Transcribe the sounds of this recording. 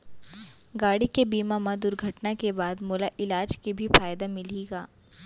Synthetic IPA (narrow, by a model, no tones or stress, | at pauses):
ɡaːɽikebiːmamãd̪ʊɾɡʱɐʈnakebaːd̪moːlaʔɪlaːd͡ʒkibʱifaːjd̪amɪliːɡaː